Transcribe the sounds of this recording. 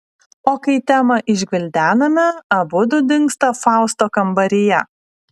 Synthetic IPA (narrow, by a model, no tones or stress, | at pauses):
oːkɐɪt̪ʲæːmɐʔɪʒʲɡʲɪlʲd̪ʲæːnɐmʲɛɐbʊd̪ʊd̪ʲɪŋkst̪ɐfɑˑʊst̪oːkɐmbɐɾʲɪjɛ